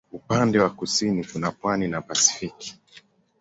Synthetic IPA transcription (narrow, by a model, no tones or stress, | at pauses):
upandɛwakusinitunapwaninapasi̥fiki̥